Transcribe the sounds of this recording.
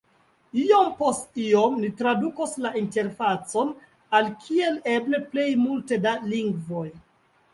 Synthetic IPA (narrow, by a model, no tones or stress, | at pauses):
iompo̞stiomnitɾadukoslainte̞ɾfat͡so̞n | alkʰie̞le̞bleple̞jmulte̞daliŋɡvo̞j